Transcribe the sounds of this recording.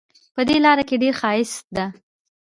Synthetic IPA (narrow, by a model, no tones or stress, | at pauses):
pəd̪elɑɾakeɖeɾxɑɪsd̪a